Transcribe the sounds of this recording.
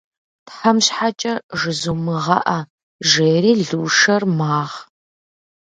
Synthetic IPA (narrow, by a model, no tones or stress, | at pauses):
pħɐmɕħat͡ʃʼɐʐɨzumɨʁɐ̰ʔɐ | ʒeːɾiːɮuːʂɐrmaːʁ